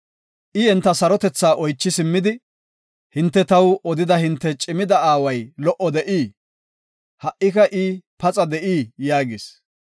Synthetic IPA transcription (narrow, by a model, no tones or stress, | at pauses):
ʔɪɛnt̪ːɐsɐɾɔt̪ɛt͡sːaːʔɔjt͡ʃːɪsɪmːɪd̪ɪ | hɪnt̪ːɛt̪ɐwɔd̪ɪd̪ɐhɪnt̪ːɛt͡ʃʼɪmɪd̪ɐaːwɐjlɔʔɔd̪ɛʔiː | hɐʔːɪkɐʔipɐt͡sʼɐd̪ɛʔiːjaːɡɪs